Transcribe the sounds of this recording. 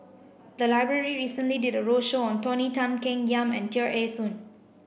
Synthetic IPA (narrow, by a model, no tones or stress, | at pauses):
d̪əlaɪbɹəɹiɹiːsə̃nlididəɹoʃoɔ̃ntɔnitãnkɛ̃ŋjãmɛ̰̃ntiəʔesũn